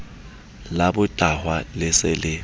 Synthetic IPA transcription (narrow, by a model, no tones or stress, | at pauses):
labʊtʼahwalɪsɪlɪ